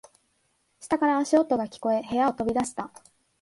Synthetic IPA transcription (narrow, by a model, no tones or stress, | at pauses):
ɕi̥t̪akaɾaːɕiot̪ːo̞ɡakʲi̥ko̞e̞ɦe̞jaot̪o̞bʲid̪aɕi̥t̪a